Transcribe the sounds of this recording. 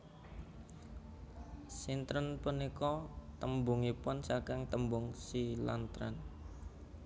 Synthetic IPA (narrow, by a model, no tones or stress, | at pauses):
sint̪ɾənpunikɔt̪əmbuŋipʊnsakɪŋt̪əmbʊŋsila̰nt̪ɾə̰n